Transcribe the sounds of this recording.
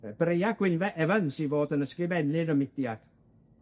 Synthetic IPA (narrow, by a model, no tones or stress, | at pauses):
b̥rejaɡ̥wɪnvɛʔɛvənsivoːdənəskrɪvɛnɨɾəmɪd̥jad̥